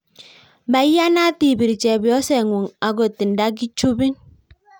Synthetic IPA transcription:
ba˨˦ja˦na˦ti˨bi˨ɾi˨t͡ʃe˨bi˨ɔ˦se˦˨ŋʷo˨ŋa˨ɡo˨ti˨n̩˨da˦ɡ̬i˦t͡ʃu˦bi˦n

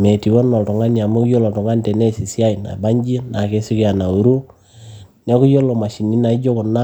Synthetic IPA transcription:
me˨ti˨wo˦nːɔ˨tɔ˨ŋa˦nia˨mu˦kjo˦lɔ˨tu˨ŋa˦ntɛ˨nɛ˦si˨sja˦i˨na̰˨ba˦ɲd͡ʒi˦na˨ke˦si˦ki˦a˨na˨u˨ɾu˦ | nɛ˦ku˦jo˦lo˨ma˨ʃi˨ni˦na˨i˦d͡ʒo˦kʊ˨na˦

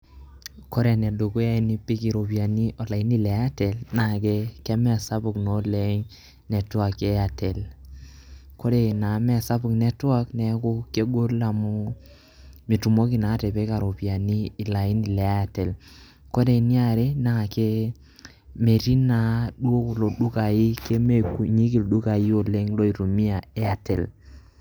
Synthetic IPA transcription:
kɔ˦ɾɛ˨nɛ˨ɗo˨ko˦ja˦i˨ni˦pi˦ki˨ɾo˨pi˨a˨ni˦ʔɔ˨la˨i˦ni˦˨lɛ˨˦a˦tɛ˨lna˦˨kɛ˦kɛ˦mɛ˦˨sa˦pu˨knɔ˨˦lɛ˨˦ɲ | nɛ˨twa˨kɛ˦a˨tɛ˨l | ko˦ɾɛ˨na˨˦mɛ˦˨sa˦pu˨knɛ˦twa˦knɛ˨˦ku˦ke˦ɡo˦la˨mu˦ | mi˨tu˨mo˦ki˨na˨˦te˨pe˦ka˨ɾo˨pi˨a˨niː˦˨la˨ji˦ni˨le˨a˦ja˨te˨l | ko˦de˨ni˦a˨ɾe˦na˦ŋa˨ke˦ | me˨ɾi˦na˨ɗu˦o˦ku˨lo˨ɗu˦ka˨ji˦ke˦me˦ku˨ɲi˦ki˨lɗu˦ka˨ji˦o˨le˦ŋlo˦i˨ɾo˨mi˦a˨e˦a˨te˨l

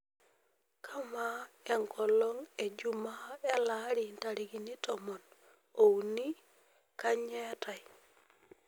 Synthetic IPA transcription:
kʰa˦ma˦ | ɛ˨ŋkʰɔ˨lɔ˦ŋe˨d͡ʒu˦ma˦ɛ˦la˦ɾi˨nta˨ɾi˨ɡi˨ni˦tɔmɔ˨n | o˨wni˦ | ka˦ɲɛ˦ta˨j

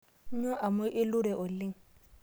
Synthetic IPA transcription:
ɲɔ˦ʔa˨mʊ˦ʔɪ˦lʊ˦ɾɛ˨ʔʊ˨lɪ˦ŋ˨

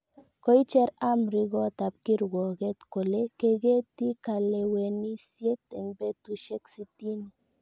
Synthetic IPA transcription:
ko˦i˦t͡ʃɛ˦ɾa˦mɾi˧ɣɔ˦t̪a˨p̚ki˦ɾɡɔ˨ɣe˦t̪ko˨le˦ke˧ɡe˦t̪i˦ka˨le˧we˨ni˦sje˦t̪e˨ŋbe˦t̪u˦ʃe˦ksi˦t̪i˦ni˨

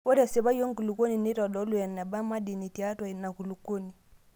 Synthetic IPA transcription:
ɔ˦ɾa˨sɛ˨βa˦jɔ˦ŋ˦ku˨lu˨kɔ˦ni˨ni˦ta˨dɔ˨˦lu˦˨ja˨na˨ba˦ma˦di˨ni˨ti˨a˦twa˨na˨ku˨lu˨kɔ˦ni˨

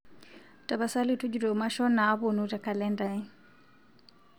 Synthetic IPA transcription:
ta˨βa˨sa˦li˦tu˦d͡ʒu˨ɾɔ˨ma˦ʃɔ˦naː˨˦βu˨nu˦ta˨ka˨lɛ˦nda˨i˦

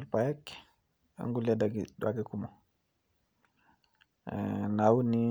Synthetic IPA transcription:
lpa˨je˦k | a̰ŋɡu˦ladaɡidwaɡiku˦mo˨ | na˨wu˦ni

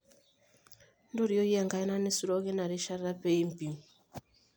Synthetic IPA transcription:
ndo˦ɾi˨ɔ˦ji˦a˨ŋɡa˦i˦na˦ne˦su˦ɾɔ˦ɣe˦na˨ɾi˦ʃa˦ɾɾa˦pe˦i˦m˨pi˨m

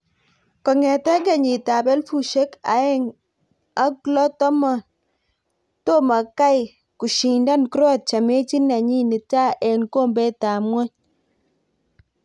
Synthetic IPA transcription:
kɔ˨ŋɛ˨tɛ˦ɡa˨ɲi˨ta˨bɛ˦lfu˦˨ʃe˦ka̰˨˦ɛ˦ŋ | a˦klɔ˦tɔ˦mɔ˨n | to˦ma˨ka˦j | ku˨ʃi˨nda˦nkɾɔ˦t̚t͡ʃa˨me˦t͡ʃi˦na˨ɲi˦ni˨ta˦ʔɛ˨nko˦mbɛ˦ta˨mwɔ˦ɲ

